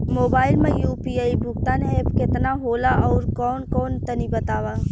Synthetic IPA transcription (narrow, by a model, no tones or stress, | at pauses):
moːbaːɪlmẽjuːpiaːibʱʊk̚t̪anepkɪt̪naɦoːlaʔɔːɾkɔːnkɔːnt̪ənibət̪aːʋa